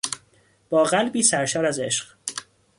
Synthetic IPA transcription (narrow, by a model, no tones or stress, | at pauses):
b̥ɒːɣælbiːsæɾʃɒːɾæze̞ʃɢ